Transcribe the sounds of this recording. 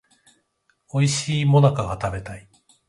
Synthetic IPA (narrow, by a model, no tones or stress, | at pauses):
o̞iɕiːmo̞nakaɡat̪abe̞t̪ai